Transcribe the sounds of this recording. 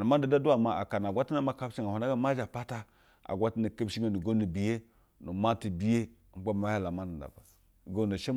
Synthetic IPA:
na˨ma˦n˦da˨da˦du˦a˨ma˨a̰˨ka˨n˨a˨ɡʷa˦ti˦na˦ma˦ka˦bt͡ʃi˦ŋa˨hu˨na˦ɡa˦ma˦d͡ʒa˨pa˦ta˦ | a̰˨ɡʷa˦ti˦na˨ke˦bʃi˦me˦nu˨ɡo˦ni˨bi˨je˦ | nu˨ma˦ti˨bi˨˦je˦ | ba˦m˦a˦ja˦la˨ma˦nda˨da̰˨ba˨ | ɡo˦na˨ʃe˦

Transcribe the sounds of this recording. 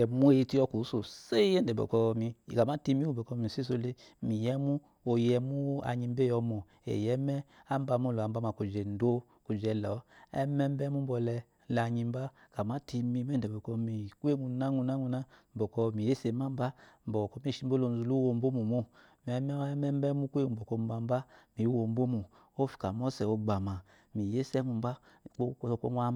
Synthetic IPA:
ɛ˨mu˦e˦˧˦ti˦ɔ˧ku˨˦so˨se˦jɛ˦n˨dɛ˨bɛ̰˨kɔ˧mi˧˨ka˨ma˦ti˧mi˦u˦bɔ˨kɔ˧˦mi˨si˦s̬o˧le˦ | mi˨jɛ˦mu˦ | o˧jɛ˧mu˦a̰˨ɲi˧m˦be˦ɔ˧mɔ˨ | ḛ˨jɛ˨˦mɛ˦a˦m˦ba˧mo˦˨lo˨a˨mba˦ma˨ku˨d͡ʒɛ˨n˨˦do˦ | ku˨d͡ʒɛ˨lɔ˨˦ɛ̰˦mɛ˦m˦bɛ˦mu˦m˦bɔ˧lɛ˧ | lɲi˧mba˦ka˨ma˦ti˧mi˧m˦ɛ˦n˨dɛ˨bo˨kɔ˧mi˨kʷe˦˨ŋu˨na˦ŋu˧na˦ŋu˧na˦m̩˨bɔ˨kɔ˧mi˨je˦se˨˦ma˦m˦ba˦m̩˨bɔ˨kɔ˦mi˦ʃi˦bo˦lo˧˨n˨zu˨lu˦wo˧˨m˦bo˦mu˨mu˦ | m˨ɛ˦mɛ˦ɛ˦mɛ˦m˦bɛ˦mu˦kʷe˦ŋu˨bɔ˨ko˧˦m˦ba˨˦m˦ba˦mi˨˦wo˨m˦bo˦mu˨ | o˦fi̥˨ka˨mɔ˦sɛ˨o˧ɡ͡ba˨ma˨ | mi˨je˦sɛ˦ŋu˨m˦ba˦˨ | o˦˧˨ko˦a˦

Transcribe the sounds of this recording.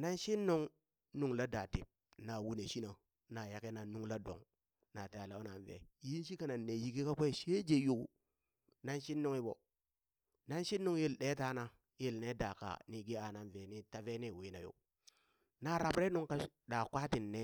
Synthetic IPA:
na˦nʃi˦nːo˦ŋ | nu˨˦ŋla˦da˨ti˨p̚na˨wu˦ne˨ʃi˦na˨ | na˨ja˦ke˦na˨nu˦ŋla˦do̰˨ŋ | na˨te˨a˨la˨˦o˦na˨nvḛ˨ji˦n˦ʃi˦ka˦˨na˨nːe˨ji˦ki˦ka˦kʷe˦˨ʃe˦d͡ʒe˨ju˦ku˦ | na˦nʃi˦nːo˦ŋi˦bo̰˨ | na˦nʃi˦nːu˦ŋje˦lɗe˦ta˦na˦ | je˦˨lne˦da˨ka̰˨ni˨ɡi˦a˨na˨nve˨ni˦ta˨ve˦ni˦˨wi˦na˨jo̰˦ | na˨ɾa˨bɾe˦nu˦ŋka˦ | ɗa˨kʷa˦ti˨nːe˦

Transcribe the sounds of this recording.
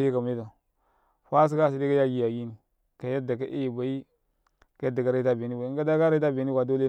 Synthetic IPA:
ji˦ka˨m˨i˦ta˨ | fa˦s̬i˦ka˦˨si˦di˦ka˦ja˦ɡi˦ja˨ɡi˦ni˨ | ka˨ja˦da˨ka̰˦ʔe˦˨ba˨i˦ | ka˦da˨ɡa˨ɾa˦i˦a˦be˨ni˦wa˨˦ŋ˦ɡa˦da˦ka˦ɾi˦ta˦be˨ni˦wa˨do˦le˦

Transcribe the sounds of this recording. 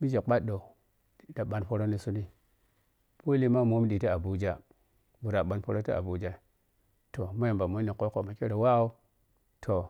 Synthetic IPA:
mi˦d͡ʒe˨ɓa˦ɗo˨˦ | da˨ɓa˨npo˦ɾo˦ni˦su˦ni˦ | po˦li˦ma˦mo˦mi˦ɗi˨ta˦a˨bu˨d͡ʒa˦ | bu˨ɾa˨ɓa˨npo˦ɾo˦ta˦a̰˨bu˨d͡ʒa˦˨ | to˨ma˦je˨mba˨mo˦ni˨ko˦ko˨ma˨ke˦ɾe˨wa˦o˦ | tʰo˨

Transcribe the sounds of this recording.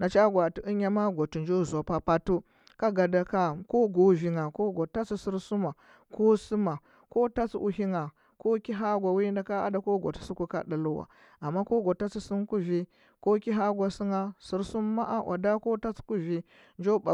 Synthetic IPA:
na˨t͡ʃa˦ɡʷa˨ti˨ʔi˦ɲ˦a˦ma˦ɡʷo˨tu˨nd͡ʒo˦˨za˨pa˨pa˦tu˦ | ka˦ɡa˨da˨ka˦˨ko˦ɡo˨vi˨ŋa˨ko˦ɡo˨ta˦t͡si˦si˦ɾsu˦ma˨ | ko˦su˦ma˨ | ko˦ta˦t͡sʔṵ˨ɦi˦ŋa˨ | ko˦ki˦ɦa˦ɡʷa˨wi˦nda˨ka˦a̰˦da˨ko˦ɡo̰˨tu̥˨su˦ku˦ka̰˦da˨lu˦wa̰˨ | a˨mːa˦ko˦ɡo˨ta˦t͡si˦su˦nku˦vi˦ | ko˦ki˦ɦa˦ɡʷa˨si˦ŋa˦si˦˨ɾsu˦mː˦a˦ʔa˦wʔa̰˨da˦ko˦ta˦t͡sku˦vi˨ | nd͡ʒo˦ba˨

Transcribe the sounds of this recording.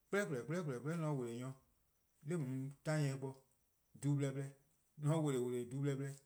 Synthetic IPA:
k͡plɛ˦klɛ˨k͡plɛ˦k͡plɛ˨k͡plɛ˦nɔ̃˧˦wo˨le˨jɔ̃˧ | le˦mũ˨˦tã˦ɛ̃˧˦k͡pɔ˧ | du˨˦blɛ˧blɛ˦ | nɔ̃˦we˨le˨wo˨le˨du˦blɛ˧blɛ˦

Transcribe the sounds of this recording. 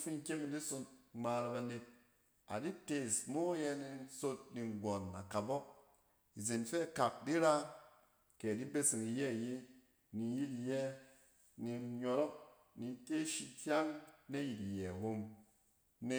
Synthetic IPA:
fi˦ŋ˦kʲe˦kdi˦so˧t̚ŋ͡ma˧ɾa˧ba˧ne˧t̚ | a̰˨di˦te˨smo˦jɛ˧ni˧so˧t̚ni˨ŋ˨ɡʷɔ˨na̰˨ka˨bɔ˦k̚ | i˨ze˨nfe˦˨ka˨k̚di˦ɾa˦ | ke˨di˦be˦si˨ŋi˨jɛ˦˨je˦ | ni˨˦ji˦ti˨jɛ˦ | ni˧ɲɔ˨ɾɔ˦k̚ | ni˨te˦ʃi˧tʲja˦ŋne˦ji˨ti˨jɛ˨wo˦m | ne˨

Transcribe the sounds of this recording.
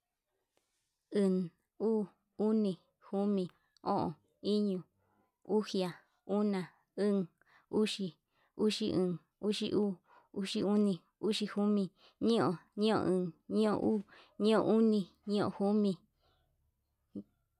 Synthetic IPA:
ɨ˨n | uː˦ | u˦nĩ˧˨ | hu˦mĩ˨ | õ̰˦˨ʔõ̰˨ | i˦ɲũ˧˨ | u˦hja˨ | u˦nã˨ | ɨ̃˦ŋ | u˦ʃi˧ | u˦ʃi˦˧ʔɨ̃˨˧˨ | u˦ʃi˧ʔuː˦ | u˦ʂi˧u˦nĩ˧ | u˦ʃi˧hu˦mĩ˧ | ɲĩ˦õ̰˧ɲĩ˦õ̰˧ʔɨ̃˧ɲĩ˦õ̰˧ʔuː˦ɲĩ˦õ̰˧˨ʔu˦nĩ˧ɲĩ˦õ̰˧hu˦mĩ˧

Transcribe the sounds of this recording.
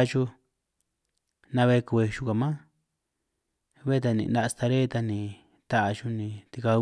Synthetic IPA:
t͡ʃu˦ | nã˧βe˧ke˧ʃu˧ka˨mã˦ | βe˦˧t̪̬a˧nḭ̃˨nã˧st̪a˧ɾe˦˧t̪a˧nĩ˨ | t̪a˦ʔa˧t͡ʃu˧nĩ˧t̪i˧ka˧

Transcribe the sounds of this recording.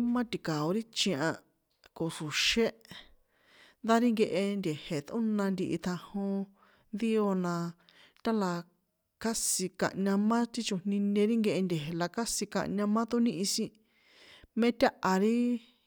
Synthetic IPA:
mã˦t̪i˨ka˨o˧ɾi˦t͡ʃĩ˧ã˧ | ko˨su˨ʃe˦ | nd̪a˦ɾi˦ŋɡe˧ʔe˧nd̪ʲe˨he˨t̪ũ˦nã˧nd̪i˧ʔi˧t̪ʰã˧hõ˧ | nd̪i˦o˧nã˧ | t̪a˦la˧ | ka˦si˧ka̰˧ʔɲã˧mã˦t̪i˦t͡ʃu˧n̥nĩ˧nẽ˧ɾi˦ŋɡe˧ʔe˧nd̪ʲe˨ɦe˨la˧ka˦si˧ka̰˧ʔɲã˧mã˦t̪u˦nĩ˦ʔĩ˧sĩ˦ | mẽ˦t̪ʲa˦ʔa˧ɾi˦

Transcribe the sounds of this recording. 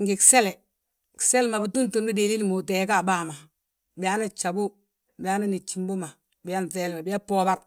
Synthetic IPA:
ŋɡi˨kse˦le˨ | ki̥˨se˦lma˨bi˨tu˦ntu˨nbi˦de˨li˦lmu˨te˨˦ka˦˨baː˦˨ma˨ | ba˦ni˦t͡ʃa˨bu˦ | bi˨ja˦ni˦ni˨t͡ʃːi˨mbo˦ma˨ | bi˦ja˦n˨θeː˨lma˨bi˦a˦poː˦ba˦ɾ

